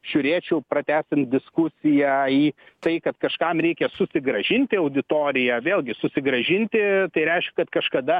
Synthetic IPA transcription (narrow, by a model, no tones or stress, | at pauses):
ʒ̥ʲʊːɾʲeːt͡ʃʲɛʊpɾɐt̪ʲæːsʲɪnt̪̚d̪ʲɪskʊsʲɪjæiːt̪ɐɪkɐt̪kɐʃkɑmɾʲɛɪkʲɛsʊsʲɪɡɾɐʒʲɪnʲt̪ʲɪɐʊd̪ʲɪt̪oːɾʲɪjɛʋʲeːlˠɡʲɪsʊsʲɪɡɾɐʒʲɪnʲt̪ʲɪt̪ɐɪɾʲɛɪʃkʲɛkɐt̪kɐʃkɐd̪ɐ